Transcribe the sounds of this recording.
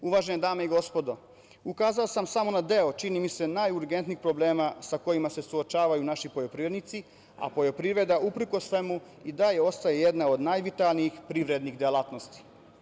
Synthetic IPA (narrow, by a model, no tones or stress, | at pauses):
uʋaːʒened̪aːmeiɡo̞spod̪o̞ | ukaːzaosamsamo̞nad̪e̞o̞t͡ʃinimise̞najuɾɡe̞nt̪nixpɾo̞bleːmasako̞jimase̞suot͡ʃaːʋajunaʃipojo̞pɾiʋɾed̪nit̪si | a̰po̞jo̞pɾiʋɾe̞d̪aʔupɾ̩ko̞sʋe̞mu | id̪ajeo̞st̪ajejed̪naod̪najʋit̪alniixpɾiʋɾed̪niɣd̪elˠat̪no̞st̪i̥